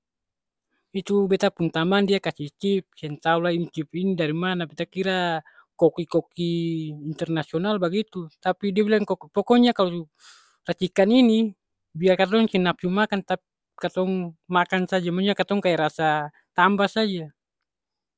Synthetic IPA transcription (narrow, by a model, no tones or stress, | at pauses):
it̪ubɛt̪apunt̪amandiakasiht͡ʃip̚sɛnt̪aulainit͡ʃip̚inidaɾimanabɛt̪akiɾa | kɔkikɔkiːnt̪ɛrnasiɔnalbaɡit̪ut̪apidiabilaŋkɔpɔkɔɲakalɔ | rat͡ʃikanini | biarkat̪̬ɔŋsɛnap̚sumakant̪api | kat̪ɔŋmakansad͡ʒamaɲakat̪ɔŋkajaɾasa | t̪ambasad͡ʒa